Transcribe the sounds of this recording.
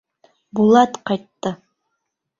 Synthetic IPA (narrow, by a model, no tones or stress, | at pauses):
bulˠɑt̪qɑjt̪ːɤ